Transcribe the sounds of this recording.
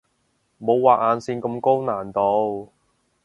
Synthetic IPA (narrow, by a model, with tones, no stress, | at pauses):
mo˨˧wːaː˨ʔ̚aː˨nsiː˧nkɐ˧mko˥wnaː˨˩nt̪o˧w